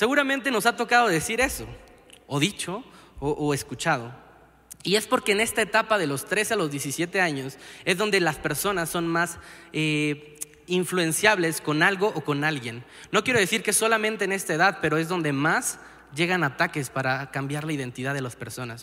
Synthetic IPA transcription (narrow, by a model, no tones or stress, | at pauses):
se̞ɣuɾamẽnt̪e̞no̞sat̪o̞kaðo̞ðe̞siɾe̞so̞̰ | oðit͡ʃo̞oʔːe̞skut͡ʃað̞o̞ | ie̞spo̞ɾke̞ːne̞st̪ae̞t̪apaðe̞lo̞st̪ɾe̞sealo̞zðje̞sisje̞t̪e̞aɲo̞se̞zðo̞nd̪e̞laspe̞ɾso̞nasːo̞nmase | iɱflue̞nsjaβle̞sko̞nalɣo̞ʔoko̞nalɣje̞nː | o̞kje̞ɾo̞ðe̞siɾkeeso̞lamẽnt̪eːne̞st̪aeðaðpe̞ɾo̞e̞zðo̞nd̪e̞mas | ʝe̞ɣanat̪ake̞spaɾakambjaɾlaiðe̞nt̪iðaðe̞laspe̞ɾso̞nas